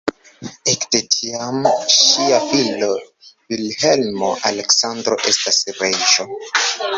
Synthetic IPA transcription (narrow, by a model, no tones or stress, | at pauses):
ekdetʰiamʃiafil | vilhe̞lmoʔale̞ksandɾo̞̰ʔe̞stasɾeʒo̞